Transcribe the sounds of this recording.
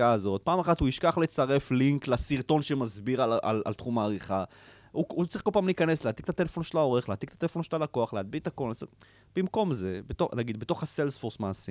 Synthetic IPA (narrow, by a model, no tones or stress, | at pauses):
aːzo̞t̪̚paːmaχat̪huiʃkaχlet͡saʁe̞fliŋklasiʁt̪o̞nʃemazbiʁala̰la̰lt̪χumaːʁiχa | uut͡sʁiχkolpaːmliːkane̞sleaːt̪ikt̪at̪elefo̞nʃelao̞ʁeχlaːt̪ikt̪ḁt̪elefo̞nʃelalakoaχlead̪̚bit̪ako̞lase | b̥imko̞mze̞bet̪oχnaɡid̪bet̪o̞χhase̞lsfoʁsmaːsi